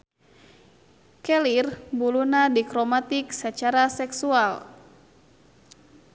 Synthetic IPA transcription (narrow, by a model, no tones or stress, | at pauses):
kɛlirbulunadikɾomat̪iksət͡ʃaɾasɛksual